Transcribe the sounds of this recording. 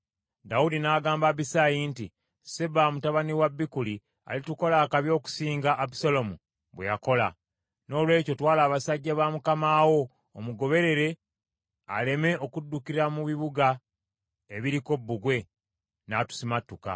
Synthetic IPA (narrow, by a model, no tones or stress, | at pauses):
daudinaːɡaːmbaβisajinti | seβamutaβaniwabːikuli | a̰lituko̞laːkaβjo̞ːku̥siːŋɡaʔːbu̥solo̞mu | βwe̞jako̞la̰ | no̞ːlwe̞ːco̞twaːlaːβasaɟːaβamukamaːwo̞ː | muɡo̞βe̞ɾe̞ɾe̞ | a̰le̞me̞ʔo̞kudːukiɾamuβiβuɡa | eβiɾiko̞bːuɡwe̞ | natu̥simatːuka̰